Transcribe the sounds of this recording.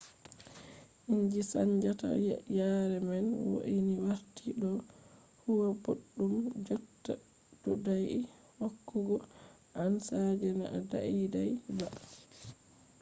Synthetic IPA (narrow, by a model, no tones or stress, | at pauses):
ʔiɲd͡ʒisa̰ɲd͡ʒata̰jaɾɛmɛnwo̰ʔiniwaɾtiɗɔ | huwaboɗːumd͡ʒɔtːa | d̥ɔdaji | hokːuɡɔ | ʔansad͡ʒɛna̰ʔada̰ʔidajba